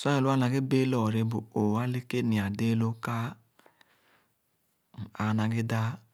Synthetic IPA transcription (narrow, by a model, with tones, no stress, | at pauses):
sɔ˦e˨lu˦a˦na˨ɡe˦be˦lɔ˨ɾi˦bu˨o˨wa˦le˦ke˦ni˨a˨de˦lo˦ka˦˨ | a˨na˨ɡɪ˦da˦